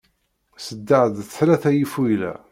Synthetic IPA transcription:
səd̪ːaʕəðθlæθæjifwijlæ̰

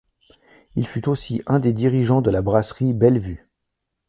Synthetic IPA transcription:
ilfyt̪osiʔɛ̃d̪ed̪iʁiʒɑ̃d̪əlabʁasχibɛlvy

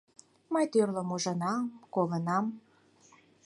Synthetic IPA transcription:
məjt̪ørləmuʒə̆nɑmkolənɑm

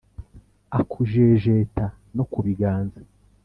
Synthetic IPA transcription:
akʰuʒeʒeːta | nokuβiɡaːnza

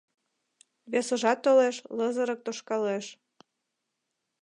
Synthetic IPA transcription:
βesəʒɑt̪ːoleʃlɤzə̆ɾɤ̆k̚t̪oʃkɑleʃ

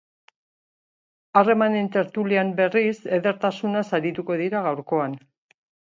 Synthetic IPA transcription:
are̞mane̞nt̪e̞ɾt̪uliambe̞rise̞ðe̞ɾt̪asunasaɾit̪uko̞ðiɾaɣawɾko̞an

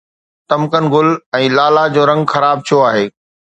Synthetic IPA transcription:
t̪ɐmkənɪ̆ɡʊlɛ̃ːlaːlad͡ʑoːɾɐ̃ŋɡxɐɾaːb̚t̪ʰijoaːɦeː

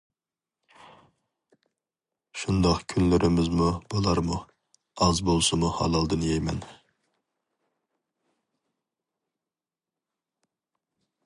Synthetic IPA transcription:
ʃund̪ɑqkʲʰynlɪɾʔɪmɪzmub̥olˠɑɾmu | ɑzbolˠsɨmuhɑ̰lˠɑlˠd̪ɨnjɛjmɛn

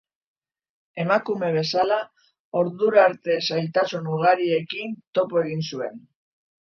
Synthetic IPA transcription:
e̞makume̞β̞e̞sala | o̞ɾðuɾaɾt̪e̞sajt̪asunuɣ̞aɾie̞kint̪o̞poe̞ɣ̞insue̞n

